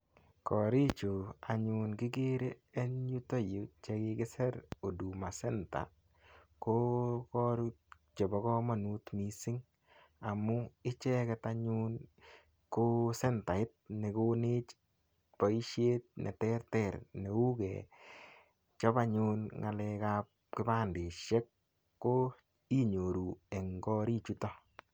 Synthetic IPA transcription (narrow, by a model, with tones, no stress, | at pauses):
kɔɾi˦t͡ʃu˨a˨ɲunkɪ˦ɡi˦ɾeː˦nɲu˦to˦ju˨t͡ʃe˧kɪkɪ˦sɛ˦ɾo˨du˨ma˨sɛ˦nta̰˨ | ko˦kɔ˦ɾu | t͡ʃɔ˨bɔ˨kɔ˦ma˨nu˦tmi˨sɪ˦ŋ | a˨mʊ˦ɪ˦t͡ʃɛ˦kɛ˨ta˦ɲun | ko˦sɛ˦nta˨ɪ˦t̚ne˨kone˦t͡ʃ | pa˨i˦ʃe˦t̚nʔḛ˨tɛ˦rtɛ˨ɾne˨u˦kɛ̰˨ | t͡ʃɔ˦ba˦ɲunŋa˨lɛ˧kap | kɪ˦ba˦nde˨ʃɛ˦kː | o˦ | i˦ɲo˨ɾu˨e˨ŋɡɔ˦ɾi˦t͡ʃu˦tɔ˦